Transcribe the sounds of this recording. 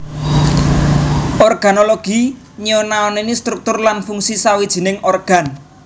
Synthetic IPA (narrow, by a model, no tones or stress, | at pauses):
ɔrɡ̥a̤noloɡ̥i̤ | ɲiɔnaɔnenist̪ɾuk̚t̪ʊrlanfuŋsisawid̥ʒ̥i̤nɪŋʔɔrɡ̥a̤n